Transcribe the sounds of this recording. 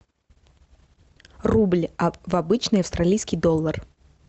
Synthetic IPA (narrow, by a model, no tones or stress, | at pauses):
rublʲvɐbɨt͡ɕnɨjɐfst̪ɾalʲijskʲijd̪ɔlˠːər